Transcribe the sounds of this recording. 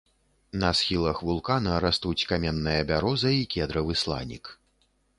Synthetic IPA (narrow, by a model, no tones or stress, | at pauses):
nɐsxʲilˠɐxvulˠkanɐɾast̪ut͡sʲkamʲɛnːɨjɐbʲaɾɔzɐikʲɛd̪ɾɐvɨslˠa̰nʲḭk